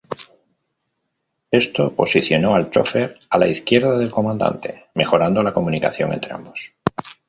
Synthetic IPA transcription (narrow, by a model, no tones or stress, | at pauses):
e̞st̪o̞po̞siθjo̞no̞alt͡ʃo̞̰fe̞ɾalaiθkje̞ɾðaðe̞lko̞mãnd̪a̰nt̪e̞̰me̞xo̞ɾand̪o̞lako̞munika̰θjo̞̰ŋent̪ɾe̞a̰mbo̞s